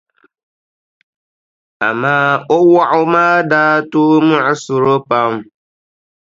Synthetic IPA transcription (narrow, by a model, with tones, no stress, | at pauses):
a˨maː˦o˦wa˦ʔʊ˦maː˦daː˦tuː˦mu˦ʔsu˨ɾo˦pa˦m˨